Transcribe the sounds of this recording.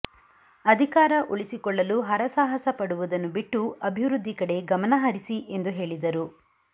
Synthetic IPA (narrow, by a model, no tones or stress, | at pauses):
ɐd̪ʱikaːɾɐʔuɭisikɔɭːɐluɦɐɾɐsaːɦɐsɐpɐɽuʋud̪ɐnːubiʈːuɐbʱiʋɾud̪ʱːikɐɽe̞ɡɐmɐnɐɦɐɾisiʔe̞nd̪uɦe̞ːɭid̪ɐɾu